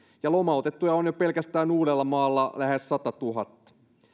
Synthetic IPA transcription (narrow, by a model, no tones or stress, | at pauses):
jɑlomɑot̪et̪ːujɑonjopelkæst̪æːnuːɾelːɑmɑːlːɑlæhessɑt̪ɑt̪uɦɑt̪ːɑ̥